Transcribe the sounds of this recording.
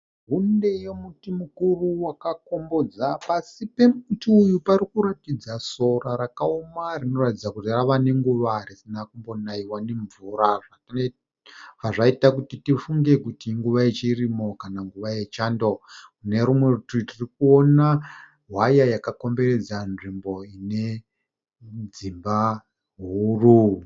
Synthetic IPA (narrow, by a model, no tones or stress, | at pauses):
ɦunde̞jemutimukuruwakako̞mbo̞d͡zapasipe̞mtiujuparikuɾatid͡zaso̞raɾakaomarino̞ratid͡zakutiraʋane̞ŋɡuʋarisinakumbo̞naiwane̞ɱvuɾaʐa | ɦaʐaitakutitifuŋɡe̞kutiŋɡuʋait͡ʃerimo̞kanaŋɡuʋaje̞t͡ʃaːndokune̞ɾumwe̞utitirikuona | ɦwajajakako̞mbe̞re̞d͡zanʐimbo̞ine̞ | d͡zimba | ɦuru